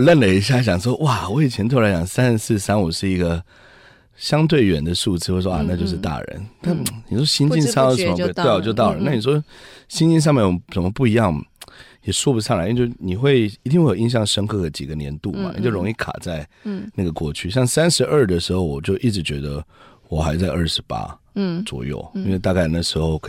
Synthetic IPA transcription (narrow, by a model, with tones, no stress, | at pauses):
lə˥˩nlə˩i˧˥ɕ̬ja˥˩ɕjɑ˨˩ŋʂ̬wɔ˥ʔwa˥˨˩wɔ˧˥i˨˩t͡ɕʰjɛ˧˥nt̪ʰo˥ʊla˧˥ɪt͡ɕɑ˨˩ŋsa˥n˧sɹ̩˥˩sa˥nwuɔ˨˩ʂɻ̩˥˩i˧˥ɡə˧ | ɕjɑ˥ŋt̪we˥˩ɪɥɛ̰˨˩nd̪ə˦ʂu˥˧t͡sɹ̩˥˩xwe˥˩ɪʂwɔ˧ʔa˥˩na˥˧t͡ɕjo˥˧ʊʂ̬ɻ̩˥˧t̪a̰˥˩ɻə̰˧˦nna˥˩ni˨˩ʂwɔ˥ɕi˥nt͡ɕi˥˧nʂŋ˥˩ə˧˨˦mə˧t̪e˥˩ɪwɔ˨˩t͡ɕjo˥˧ʊt̪ɑ˥˩ʊlə˨˦na˥˩ni˨˩ʂ̬wɔ˥ɕi˥nt͡ɕi˥˧nʂ̬ɑ˥˧ŋmjɛ˥˩˨ʂə˨˩nmə˦pu˥˩i˧˥jɑ˥˩ŋ˩jɛ˨˩ʂwɔ˥pu˧sʰɑ˥˩ŋla˨˥˦t͡ɕjo˥˩ni˨˩xwe˥˩ɪi˧t̪i˥˧ŋwe˥˩˨i˧˥ŋɕ̬jɑ˥˩ŋʂə˥ŋkʰɤ˥˩d̪ə˩t͡ɕi˨˩ɡə˩njɛ˧˦nt̪ṵ˥˩ma̰˨nḭ˨˩t͡ɕjo˥˩ʊɻo˧˥ŋi˥˩kʰa̰˨˩t͡sa˥˧ɪna˥˩ɡə˩kwɔ˥˩t͡ɕʰy˥˧ɕ̬jɑ˥˩ŋsa˥nʂɻ̩˧˥ʔə˞˥˩d̪ə˩ʂɻ̩˧˥xo˥˩ʊwɔ˨˩t͡ɕjo˥˧ʊʔi˥˩ʈ͡ʂɻ̩˧˥t͡ɕɥɛ˧˥d̪ə˧ | wɔ˨˩xa˧˥ɪt͡sa˥˧ɪʔə˞˥˩ʂɻ̩˧˥pa̰˥ | t͡swɔ̰˨˩jo̰˥˩ʊi˥nwe˥˧ɪt̪a˥˧ka˥˧ɪna˥˩ʂɻ̩˧˥xo˥˩ʊkʰ